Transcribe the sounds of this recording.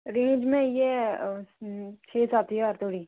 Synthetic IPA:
ɾẽːd͡ʒmẽje | t͡ʃʰeːsaːt̪ʰiːɦɔɾt̪ʰoːɽiː

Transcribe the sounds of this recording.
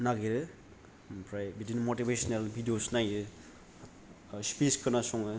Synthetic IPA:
naɡiɾɯ | pʰɾajbidinmotibesnelbʱidijosnajɾɯ | spiskʰɯnasɔŋɯ

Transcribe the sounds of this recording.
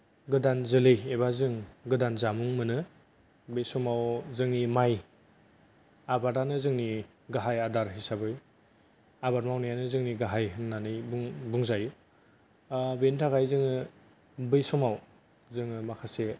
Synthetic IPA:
ɡɯdanzɯlɯjebazɯŋɡɯdanzamuŋmɯnɯ | bɯjsɔmawzɯŋnimaj | abaɾanɯzɯŋni | ɡaɦajadaɾɦisabɯj | abaɾmawnajanɯzɯŋniɡaɦajɦɯŋnanɯjbuŋbuŋzaj | bentʰaɡajzɯŋɯ | bɯjsɔmaw | zɯŋɯmakʰase

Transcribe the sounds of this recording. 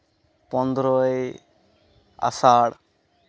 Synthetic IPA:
pɔnd̪ɾɔj | a̰saːɽ

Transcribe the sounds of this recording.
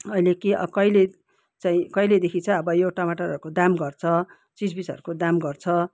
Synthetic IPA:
ʌilekiʌ̰kʌjle | t͡saĩkʌjled̪ekʰit͡sʰʌʌbʌjewʈamaʈaɾʌɾukod̪amɡʌrt͡sʰʌ | t͡sid͡zbisʌ̰ɾukod̪amɡʌrt͡sʰʌ

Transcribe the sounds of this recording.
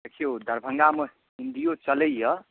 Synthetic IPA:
ekʰijod̪ʱəɾbʱəŋɡamə | ind̪ijot͡ʃələjjʌ

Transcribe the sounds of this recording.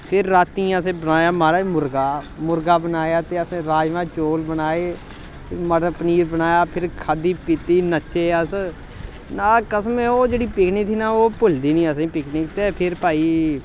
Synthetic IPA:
pʰɪɾːaːt̪iːãəs̬ẽːbənaːjaːmaːɾaːmʊɾɡaː | mʊɾɡaːbənaːjaːt̪eːəsẽːɾaːd͡ʒʋãːt͡ʃoːlbənaːeː | məɾpəniːɾbənaːjaːpʰɪɾkʰaːd̪iːpɪt̪iːnət͡ʃʃeːəs | naːkəsmẽːoːd͡ʒeːɽiːpɪkʰniːt̪ʰiːnaːoːpʊld̪iːnĩːəs̬ẽːpɪkʰnekt̪eːpʰɪɾpaːiː

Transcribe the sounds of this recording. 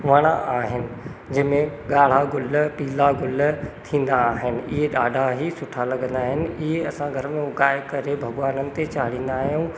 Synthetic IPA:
ʋɐɽ̃aʔaːɦɪnɪ̆ | d͡ʑɐ̃ɪ̃mẽɠaːɽ̤aɡʊlpiːlaɡʊlt̪ʰĩːnd̪aːɦɪnɪ̆ɪɦeɗa̰ːɖʱaɦisʊʈʰalɐɡə̃nd̪aːɦɪnɪ̆ɪɦeɐsãɡʱɐɾmẽʊkaːɪkɐɾebʱɐɡʋaːnənɪ̆t̪et͡ɕaːɽ̤ĩːn̆d̪aːɦjũ

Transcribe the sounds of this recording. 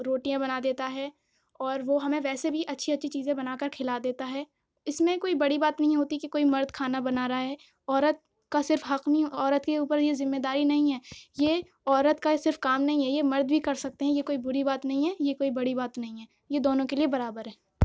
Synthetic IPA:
ɾoːʈijãbɐnad̪eːt̪aɦɛː | ɔːɾʋoɦɐmẽʋɛːsebʱiʔɐtːʃʰiɐtːʃʰit͡ʃiːzẽbɐnaːkɐɾkʰɪlad̪eːt̪aɦɛ | ɪsmẽkoːibɐɽibaːt̪nɐɦĩɦoːt̪ikekoːimɐɾd̪kʰaːnabɐnaːɾaaɦɛː | ɔːɾət̪̚ | kasɪɾfɦɐqmiɔːɾət̪keuːpəɾjezɪmːeːd̪aːɾinɐɦĩɦɛːje | ɔːɾət̪kasɪɾfkaːmnɐɦĩɦɛjemɐɾd̪bʱikɐɾsɐk̚t̪eɦɛ̃jekoːibʊɾibaːt̪nɐɦĩɦɛːjekoːibɐɽibaːt̪nɐɦĩɦɛː | jed̪oːnõkeliebɐɾaːbəɾɦɛː

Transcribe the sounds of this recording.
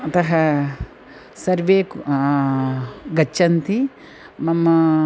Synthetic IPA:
ɐt̪ɐɦɐ | sɐɾʋeːk | ɡɐt͡ʃːt͡ʃːɐnt̪i | mɐmːɐ

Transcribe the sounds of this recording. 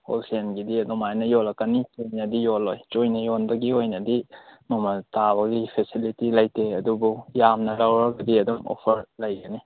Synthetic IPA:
o̰lsʰienɡidiɐdumajnɐjolɐkːɐnit͡ʃojnɐdijolojt͡ʃojnɐjonbɐɡiojnɐdimɐmɐtaβɐɡipʰesilitilɐjtʰeɐdubujamnɐlawɾɐɡɐdiɐduŋo̰pʰɐɾlɐjɡɐni

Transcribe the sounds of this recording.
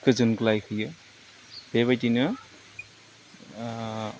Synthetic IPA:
kɯzɯnklajkʰɯjɯ | b̥eβajtinɯ

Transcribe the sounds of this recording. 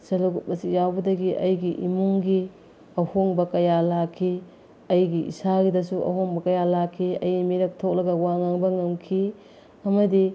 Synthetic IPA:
sɐlɐɡut̚bɐsik̚jawbɐdɐɡiʔɐjɡiʔimuŋɡi | ɐhoŋbɐkɐjalakʰːi | ɐjɡiʔḭsaɡidɐsuʔɐ̰ɦoŋbɐkɐjalakʰːiɐ̰jimiɾɐk̚tʰok̚lɐɡɐwaŋaŋbɐŋɐŋkʰi | ɐmɐdi

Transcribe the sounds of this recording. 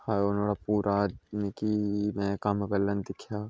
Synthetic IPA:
haːjonoːɽapuːɾʔanekimɛ̃kamɐbəlːənd̪ɪkʰjaː

